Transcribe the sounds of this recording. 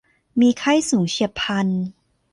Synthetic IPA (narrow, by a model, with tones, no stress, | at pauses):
miː˧kʰa˥˩jsuː˩˦ŋt͡ɕʰi˧pʰa˧n